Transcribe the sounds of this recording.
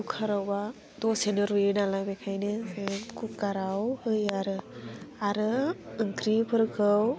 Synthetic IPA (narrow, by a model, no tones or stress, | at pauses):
ukʰaɾawba | dɔsenɯɾuenalabekʰajnɯsemkʰukːaɾawhɯjaɾɯaɾɯɯŋkɾipʰɯɾkʰɯw